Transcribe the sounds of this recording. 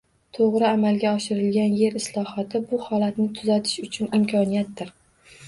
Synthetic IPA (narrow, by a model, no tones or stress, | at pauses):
t̪ʰoʁɾɪamalˠɡʲaɒʃɪɾɪlɡʲanje̞ɾɪslˠɒhɒt̪ʰɪbʊhɒlat̪nɪt̪ʰʊzat̪ʰɪ̥ʃʊt͡ʃʰʊnɪmkʲʰɒnijat̪̚d̪ɪɾ